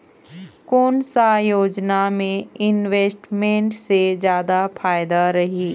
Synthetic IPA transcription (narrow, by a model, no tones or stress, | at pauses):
koːnsajoːd͡ʒnamẽɪnʋeːsʈmẽɳʈsed͡ʒjaːd̪apʰaːjd̪aɾɐɦiː